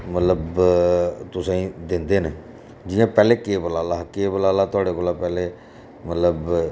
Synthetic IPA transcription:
mət̪ləb | t̪ʊsãːĩːd̪ɪnd̪eːne | d͡ʒɪjãːpɛːleːkeːbəlaːlaːkeːbəlaːlaːt̪ʊaːɽeːkoːlaːpɛːleː | mət̪ləb

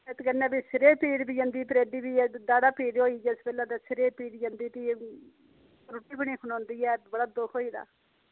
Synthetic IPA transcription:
et̪kənːɛ̃ːbiːsɪɾeːpiːɽbiːd͡ʒə̃nd̪iːp̪ɾeːd̪iːbiːd̪aːdaːpiːɖoːiːd͡ʒɛsbeːlãːt̪esɪɾeːpiːɖjə̃nd̪iːt̪iː | ɾʊʈːiːpəɳ̃iːkʰʊnãːnd̪iːɛːbəɽaːd̪okʰoːiːd̪a̰ː

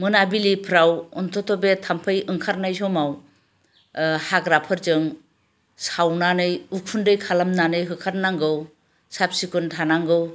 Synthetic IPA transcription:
mɯnabilipʰɾawɔntʰɔtʰɔbetʰampʰɯjɯŋkʰaɾnajsɔmaw | haɡɾapʰɯɾzɯŋ | sawnanɯjukʰundɯjkʰalamnanɯjɦɯkʰaɾnaŋɡɯw | sap̚sikʰuntʰanaŋɡɯw

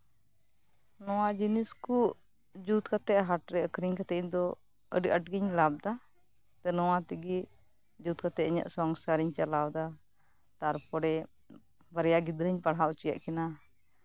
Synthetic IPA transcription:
nɔwad͡ʒiniskuʔ | d͡ʒut̪̚kat̪ɛʔɦaʈɾɛəkɾiŋkat̪ɛɲd̪ɔ | ə̰ɖiʔəʈɡiɲlab̚d̪a | t̪ɛnɔwat̪iɡiʔ | d͡ʒut̪̚kat̪ɛʔəɲa̰ʔsɔŋsaɾiɲt͡ʃalawd̪a | t̪aɾpɔɽɛ | baɾɛjaɡid̪ɾəɲpaɽɦaʔut͡ʃija̰ʔkɛna

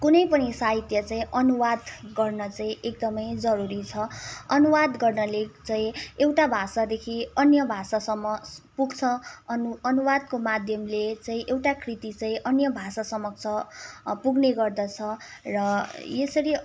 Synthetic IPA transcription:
kunʌjpʌnisaɦit̪jʌt͡saĩʔʌnuwad̪ɡʌrnʌt͡saĩʔekd̪ʌmʌjd͡zʌɾuɾit͡sʰʌʌnuwad̪ɡʌrnʌlet͡saĩewʈabʱasad̪ekʰiʌnjʌbʱasasʌmːʌpuɡt͡sʰʌ | ʌnuwad̪komad̪ʱjʌmlet͡saĩʔewʈakʰrit̪it͡saĩʔʌnjʌbʱasasʌmʌkt͡sʰʌpuɡneɡʌrd̪ʌt͡sʰʌrʌjesʌɾi

